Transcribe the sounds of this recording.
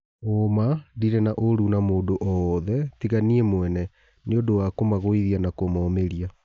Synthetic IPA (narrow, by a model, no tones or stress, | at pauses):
omadiɾɛnaʔoɾunamoːdoʔɔðɛtiɣaniɛmwɛnɛ | neodowakomaɣoiðianakomɔːmeɾia